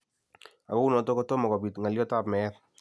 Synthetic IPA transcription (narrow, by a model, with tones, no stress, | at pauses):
a˨ko˦u˦nɔ˨to˦kɔ˦to˦mɔ˨kɔ˨bi˨tŋa˨ljɔ˦ta˦˨pmɛːð